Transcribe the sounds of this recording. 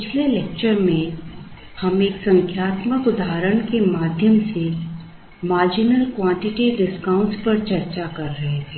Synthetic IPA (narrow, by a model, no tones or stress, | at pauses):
pɪt͡ʃʰlelek̚t͡ʃəɾmẽ | hɐmeːksɐ̃ŋkʰjaːt̪məkʊd̪aːɾəɽ̃kemaːd̪ʱjəmse | maːɾd͡ʒɪnəlkwãːɳʈɪʈiɖɪskãʊ̃ɳʈspɐɾt͡ʃɐɾt͡ʃakɐɾːɐɦet̪ʰeː